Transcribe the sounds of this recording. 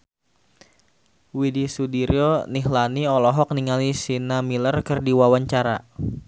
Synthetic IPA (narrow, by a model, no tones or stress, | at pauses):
widisudiɾioniɦlaniɔlɔɦɔk̚niŋalisinamilərkɨrdiwawaɲt͡ʃaɾa̰